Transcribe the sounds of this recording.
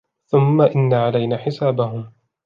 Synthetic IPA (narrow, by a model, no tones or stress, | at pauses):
θʊmːaʔɪnːaʕalajnaːħɪsaːbaɦʊm